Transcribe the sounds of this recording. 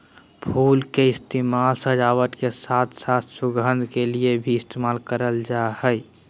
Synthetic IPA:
pʰulkeɪst̪emalsə̃d͡ʒawət̪kesat̪ʰsat̪ʰsuɡə̃nd̪ʱkeliebʱiɪst̪emalkəɾəld͡ʒahəj

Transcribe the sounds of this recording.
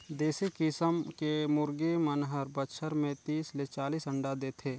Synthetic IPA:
d̪eːsikɪsəmkemʊɾɡemənɦəɾbətʃʰəɾmẽt̪iːslet͡ʃaːliːsə̃ɳɖad̪eːt̪ʰeː

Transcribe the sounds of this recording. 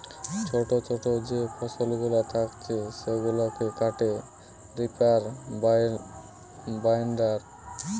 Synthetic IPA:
t͡ɕʰoʈot͡ʃʰoʈod͡ʑepʰɔsolɡulat̪ʰakt͡ɕʰeʃeɡulokekaʈe | ɾipaɾ | bajɳɖaɾ

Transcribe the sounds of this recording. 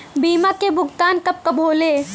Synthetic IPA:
biːmakebʱʊɡt̪aːnkɐp̚kɐbʱoːleː

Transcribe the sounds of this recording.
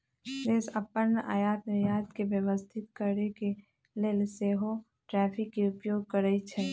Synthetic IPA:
d̪eːsɐpəɾnəʔa̰ːjaːt̪mejaːt̪keʋjəʋəst̪ʰɪt̪kəɾeke | leːlseːɦo | ʈɾɛːpʰɪkːeʊpjoːɡ̚kəɾəit͡ʃʰɛ

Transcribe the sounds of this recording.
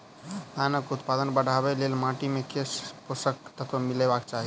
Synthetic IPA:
anəkut̪pad̪ənbəɽ̤abelelmaʈimekesposək̚t̪ət̪ʰemilebakt͡ʃaɦi

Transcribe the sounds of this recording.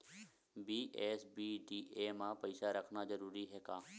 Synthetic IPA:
biːʔɛːsbiːɖiːʔeːmãpəɪsaɾəkʰnazəɾuːɾiɦɛːkaː

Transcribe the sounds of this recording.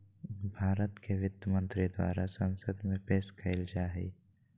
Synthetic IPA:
bʱaːɾət̪keʋɪt̪ːəmə̃nt̪ɾid̪wa̰ːɾasə̃nsəd̪mẽpeːskɐɪld͡ʒaːɦḭː

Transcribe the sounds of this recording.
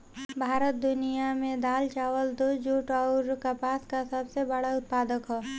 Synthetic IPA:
bʱaːɾət̪̚d̪ʊnijamẽd̪aːlt͡ʃaːʋəld̪od͡ʒuːʈɔʊɾkapaːskasɐbsebəɽaʊt̪̚paːd̪əkɦoː

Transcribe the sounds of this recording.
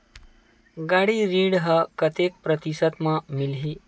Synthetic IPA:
ɡaɽiɾiːɽɦəkət̪ek̚pɾət̪isət̪mamilɦiː

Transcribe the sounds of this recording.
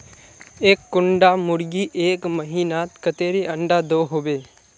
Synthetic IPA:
eːkːʊɳɖamʊɾɡiːʔeːkməɦiːnaːt̪kət̪eːɾiʔɐ̃ɳɖad̪oːɦoːbeː

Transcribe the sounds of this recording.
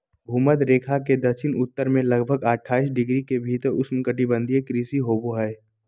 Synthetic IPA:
bʱuːmət̪ɾeːkʰaked̪ɐʃʰɪnʊt̪ːəɾmẽlɐɡbʱəɡəʈʰːaːis̬ɖɪɡɾikebʱiːt̪əɾʊsmkəʈibə̃nd̪ʱiekɾiːsiɦoːboɦɛe

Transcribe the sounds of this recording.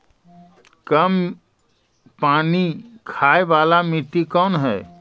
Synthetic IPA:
kəm | paːnikʰaːeʋaːlamit̪ikɔːnɦɛː

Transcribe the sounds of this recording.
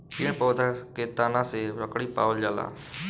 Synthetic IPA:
kiːɳpəːd̪akeːt̪aːnãːseɾəkɽiːpa̰ːʋəld͡ʒaːla̰ː

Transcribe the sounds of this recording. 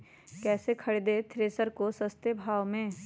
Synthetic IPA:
kɛːsekʰɐɽed̪et̪ʰɾeːsəɾkosəst̪ebʱaːʋmẽː

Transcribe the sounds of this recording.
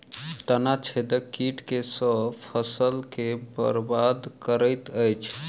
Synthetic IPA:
t̪ənat͡ʃʰed̪əkiʈkesəbpʰəsəlkebə̰ɾbad̪kəɾəjt̪əjt͡ʃʰ

